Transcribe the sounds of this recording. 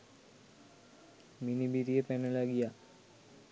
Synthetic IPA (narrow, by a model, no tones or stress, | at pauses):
minibiɾijepɛnelaɡija